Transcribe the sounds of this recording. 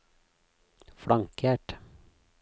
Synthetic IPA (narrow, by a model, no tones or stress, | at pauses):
fɽɑŋkʰjæːʈ